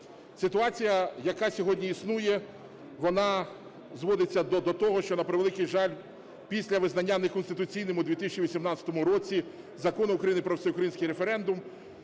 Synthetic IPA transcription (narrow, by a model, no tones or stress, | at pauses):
sɪt̪ʊɑt͡sʲijɐjɐkɑsʲɔɦɔdʲnʲiisnujɛ | ʋɔnɑ | zʋɔd̪ɪt͡sʲːɐd̪ɔd̪ɔt̪ɔɦɔʃt͡ʃɔnɐpeɾeɪʋelˠɪkɪjʒɑlʲ | pʲisʲlʲɐʋɪznɐnʲːanekɔnst̪ɪt̪ʊt͡sʲijnemʊd̪ʋʲit̪isʲt͡ʃʲiʋʲisʲimnɑt͡sʲɐt̪ɔmʊɾɔt͡sʲi | zɐkɔnʊʊːkɾɐjinɪpɾɔsejʊkɾɐjinsʲkɪjɾefeɾɛnd̪ʊm